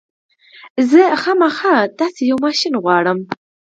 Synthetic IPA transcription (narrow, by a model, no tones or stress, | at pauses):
zəxɑmaxɑt̪ɑsejawmɑʃinɣwɑɽəm